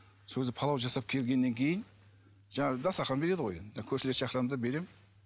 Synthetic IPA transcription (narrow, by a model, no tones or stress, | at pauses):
sɵzɪpʰɑlˠɑwʒɑsɑp̚kʲʰe̞lɡʲe̞nːe̞ŋkʲʰe̞jɪn | ʒɑɴɑʁəd̪ɑsɑɾχɑnbe̞ɾe̞d̪əʁo̞jenʒɑkʲʰɵɾʃelesʃɑχɾɑmd̪ɑbe̞ɾe̞m